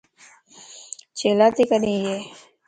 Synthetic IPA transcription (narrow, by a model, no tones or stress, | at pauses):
t͡ʃeːlaːt̪ikənĩjeː